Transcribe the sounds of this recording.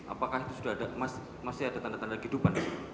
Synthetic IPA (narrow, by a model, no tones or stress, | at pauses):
ʔa̰pakahit̪usudaɦadamas | masiadat̪andat̪andakɦidupan